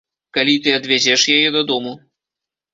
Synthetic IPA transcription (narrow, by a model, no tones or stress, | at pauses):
kalʲit̪ɨɐd̪vʲad͡zʲɛʂjajɛd̪ɐd̪ɔmu